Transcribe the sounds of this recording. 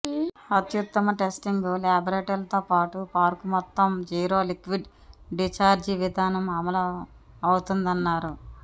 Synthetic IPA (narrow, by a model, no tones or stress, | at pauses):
ɐt̪jut̪ːɐmɐʈesʈiŋɡulaːbɐɾeːʈɐlɐt̪oːpaːʈupaːɾkumɔt̪ːɐmd͡ʒiːɾoːlikʋiɖ | ɖit͡ʃaːɾd͡ʒiʋid̪ʱaːnɐmɐmɐlɐ | ɐwut̪und̪ɐnːaːɾu